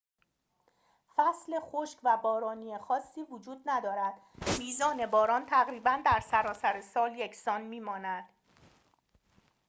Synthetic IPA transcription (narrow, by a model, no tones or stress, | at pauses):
fæsle̞xoʃkvæbɒːɾɒːniːexɒːsːiːvod͡ʒuːd̪̚næd̪ɒːɾæd̪̥ | miːzɒːne̞bɒːɾɒːnt̪ʰæɣɾiːbænd̪æɾsæɾɒːsæɾesɒːljecʰsɒːnmiːmɒːnæd̪̥